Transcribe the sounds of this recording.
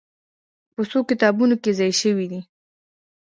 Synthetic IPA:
pəsokɪt̪ɑbunokezɑjʃəwid̪i

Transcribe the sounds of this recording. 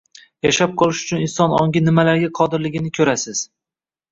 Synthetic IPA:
jaʃap̚qʰɒlˠɪʃʊt͡ʃʰʊnɪnsɒnɒŋɡʲɪnɪmalaɾɡʲaqʰɒd̪ɪɾlɪɡʲɪnɪkʲʰɵɾasɪz̥

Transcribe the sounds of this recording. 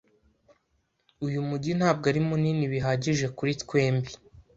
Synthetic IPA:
ujumuɟin̥haːb̚ɡaɾimuniniβiɦaɟiʒe̞kuɾitkwe̞ːmbi

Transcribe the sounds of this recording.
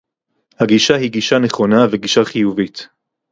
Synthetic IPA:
haɡiʃaɦiɡiʃaneχo̞naveɡiʃaχijuvit̪

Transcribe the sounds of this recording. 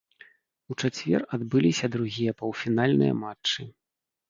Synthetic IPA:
ut͡ʂat͡sʲvʲɛ̰rad̪bɨlʲisʲɐd̪ɾuɣʲijɐpɐwfʲinalʲnɨ̰jɐ̰mat͡ʂt͡ʂːɨ

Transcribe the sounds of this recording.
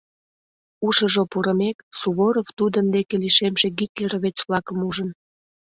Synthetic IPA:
uʃəʒopuɾəmeksuβoɾovt̪ud̪ənd̪ekeliʃemʒeɡit̪ʲleɾβet͡sβlɑkəmuʒən

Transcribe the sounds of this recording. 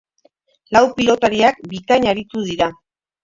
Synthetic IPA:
lawpilo̞t̪aɾiak̚bikaɲaɾit̪uðiɾa

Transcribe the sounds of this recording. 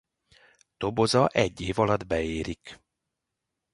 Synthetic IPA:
t̪obo̞zɒʔɛɟːeːvɒlɒd̪bɛeːɾik

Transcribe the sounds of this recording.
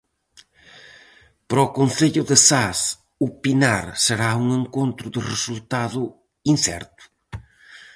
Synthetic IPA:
pɾɔkonθeʎʊðɪsas | upinaɾseɾauŋeŋkont̪ɾʊðɪresult̪aðʊ | insɛ̰ɾt̪ʊ̥

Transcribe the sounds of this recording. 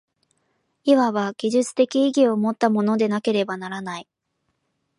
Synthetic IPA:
iβaβaɡ̥ʲiʑɨt͡sɨ̥t̪e̞kʲiiɡʲio̞mo̞t̪ːamo̞no̞d̪e̞nake̞ɾe̞banaɾanai

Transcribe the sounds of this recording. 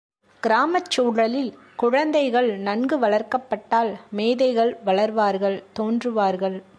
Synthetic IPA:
ɡ̥ɪɾaːmɐt͡ʃːuːɽɐlɪl | kʊɻɐnd̪ɐɪɣɐɭnɐnɡɯʋɐɭɐɾkɐpːɐʈːaːlmeːðɐɪɣɐɭʋɐɭɐɾʋaːɾɣɐɭt̪oːndrɯʋaːɾɣɐɭ

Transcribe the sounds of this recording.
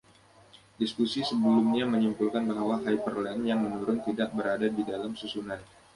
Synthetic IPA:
diskusisəbəlumɲaməɲumpulkanbaɦwaɦajpərlɛnjaŋmənuɾʊnt̪idaʔbəɾadadidalamsusunan

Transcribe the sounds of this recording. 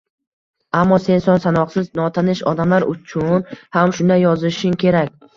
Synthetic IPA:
amːɒse̞nsɒnsanɒqsɪznɒt̪ʰanɪʃɒ̰d̪amlaɾʊt͡ʃʰʊnhamʃʊnd̪ajɒzɪʃɪŋkʲʰe̞ɾakʲ

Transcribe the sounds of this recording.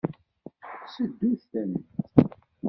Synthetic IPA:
səd̪ːuθθænət̪

